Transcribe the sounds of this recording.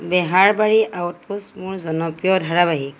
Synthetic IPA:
bɛɦaɹbaɹiʔawt̚pusmʊɹzɔnɔpɹijɔdʱaɹabaɦik

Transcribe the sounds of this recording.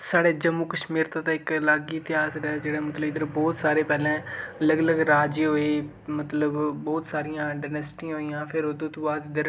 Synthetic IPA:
saːɽeːd͡ʒəmːuːkəʃmiːɾt̪ãːt̪ãːɪklaːɡiːt̪ɪjaːsɾd͡ʒeːɽãːmət̪ləbɪd̪əɾbɔːt̪saːɾeːpɛːlɛ̃ːələɡələɡɾaːd͡ʒiːɦoːeː | mət̪ləbbɔːt̪saːɾɪjãːɖaːnɛsʈĩːɦoːijãːpʰɪɾod̪ũːt̪õːbaːd̪ɪd̪əɾ

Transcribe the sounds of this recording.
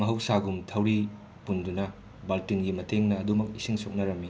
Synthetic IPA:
mɐɦɐwsaɡumtʰɐwɾi | pundunɐ | baltinɡimɐtʰeŋnɐːdumɐk̚isiŋsok̚nɐɾɐmːi

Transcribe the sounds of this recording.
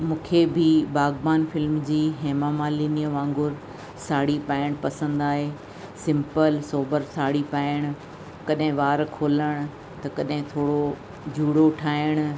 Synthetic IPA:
mũːkʰebɪbaːɡbaːnfɪlmd͡ʑiːɦeːmamaːlinijəʋãːŋɡʊɾ | saːɽipaːɪɽ̃pɐsə̃nd̪aːɦeː | sɪ̃mpəlsoːbəɾsaːɽipaːɪɽ̃ʊ̆ | kɐɗɦɪ̃ʋaːɾkʰoːləɽ̃ʊ̆ | t̪ɐkɐɗɦɪ̃t̪ʰoːɽo | d͡ʑʱuːɽoʈʰaːɪɽ̃ʊ

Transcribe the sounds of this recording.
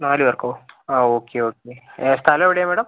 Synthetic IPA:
naːliʋɐɾkɐoaoːkeoːkest̪ʰaːleʋɐɽjamɛːɽɐm

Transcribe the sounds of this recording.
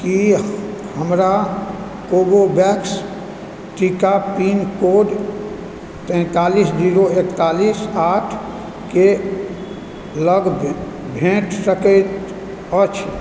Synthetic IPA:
ki | həmɾa | koɡobɛks | ʈikapiːnkoɖ | t̪ɛ̃ːt̪aːliːsd͡ʒiːɾoekt̪aːliːsaːʈʰ | ke | ləɡ | bʱẽʈʰsəkɛt̪ | ət͡ʃʰ

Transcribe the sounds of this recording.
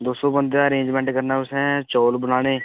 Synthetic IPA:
d̪oːsoːbə̃nd̪jaːəɾẽːɲd͡ʒmɛ̃ːɳʈkəɾnaːʊsɛ̃ːt͡ʃɔːlbənaːneː

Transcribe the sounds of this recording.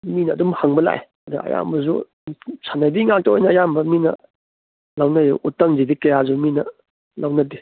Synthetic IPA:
minɐːdumhaŋbɐla̰j | ɐduɐ̰ja̰mbɐzṵ | sʰanajbiŋak̚tɐojnɐːjambɐminɐ̰ | lawnɐjʔutːɐŋzibikɐjazuminɐ | lawnɐdi

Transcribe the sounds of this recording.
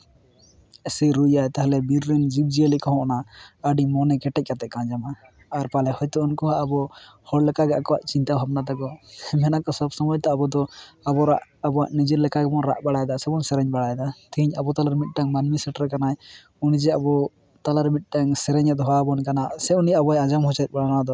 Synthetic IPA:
ɛsiɾujajt̪aɦlɛbiɾɾɛnd͡ʒib̚d͡ʒiəlikɔɦɔ̃ʔnaaɖimɔnɛkɛʈɛc̚ˀkat̪ɛʔkãd͡ʒamaː | ɾpalɛhɔjt̪ɔɔnkɔɦaʔabɔhɔɽlɛkaɡɛakɔwaʔt͡ʃint̪aɦab̚nat̪aɡɔmɛnakɔsɔbsɔmɔjt̪aːbɔd̪ɔabɔɾa̰ʔabɔaʔnid͡ʒiɾlɛkaɡɛbɔnɾa̰ʔbaɽajd̪asɛbɔnsɛɾɛɲbaɽajd̪at̪ʰiiɲabɔt̪alaɾmit̪̚ˀʈaŋmanmisɛʈɾɛkanaj | unid͡ʒɛabɔ | t̪alaɾmit̪̚ˀʈaŋsɛɾɛɲɛd̪ɦɔabɔnkanasɛunijaabɔajãd͡ʒamhɔt͡ʃat̪̚baɽanad̪ɔ

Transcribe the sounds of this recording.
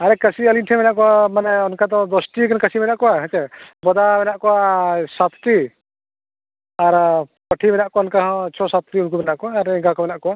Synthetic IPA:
aɾɛkəsiəlinʈʰɛbɛnaʔkɔamanɛɔnkad̪ɔ̃d̪ɔsʈikankəsibɛnaʔkɔaɦat͡ʃɛbɔd̪abɛnaʔkɔaʔsat̪t̪i | aɾpɔʈʰibɛnaʔkɔɔnkaɦɔ̃t͡ʃʰɔsat̪t̪iunk̬ubɛnaʔkɔaːɾɛɡakɔbɛnaʔkɔa

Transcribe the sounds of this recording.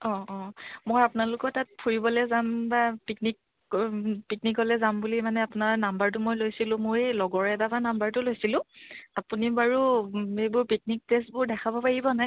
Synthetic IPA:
ɔ̃ɔ̃mojapʊnalʊkɔtat̚pʰuɹibɔlɛzambapiknik | piknikɔlɛzambulimanɛapʊnaɹnambaɹtʊmojlojsilʊ̃moɹjlɔɡɔɹɛdabanambaɹtʊlojsilʊ̃apunibaɹuejbʊɹpik̚nik̚testbʊɹdɛkʰabɔpaɹibɔnaj

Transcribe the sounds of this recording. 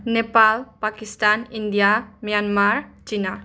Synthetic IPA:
nepalpakistanindijamijanmaɾt͡ʃina

